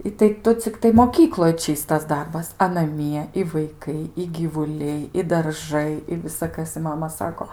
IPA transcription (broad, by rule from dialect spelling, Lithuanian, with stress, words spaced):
ɪ tɐɪ ˈtʊ t͡sʲɪkˈtɐɪ moːˈkʲiːklˠoːj ˈt͡ʃʲiːstɐs ˈdɐrbɐs ɐ nɐˈmʲiɛ ɪ ʋɐɪˈkɐɪ ɪ ɡʲiːʋʊˈlʲɛɪ ɪ dɐrˈʒɐɪ ɪ ʋʲɪsɐˈkɐs ɪ ˈmɑːmɐ ˈsɑːkoː